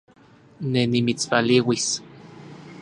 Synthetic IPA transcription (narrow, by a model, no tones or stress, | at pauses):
nenimit͡spaliwis